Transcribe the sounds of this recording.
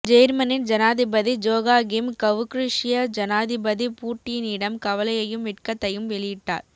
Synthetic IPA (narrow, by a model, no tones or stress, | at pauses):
d͡ʒɛjɾmɐnɪnd͡ʒɐnaːðɪbɐðid͡ʒoːɣaːɡɪmkɐʋɯkɾɪʂɪjɐd͡ʒɐnaːðɪbɐðipuːʈːɪjɪnɪɽɐmkɐʋɐlɐjɐjɯmʋɪʈ̚kɐt̪ːɐjɯmʋɛɭɪjɪʈːa̰ːɾ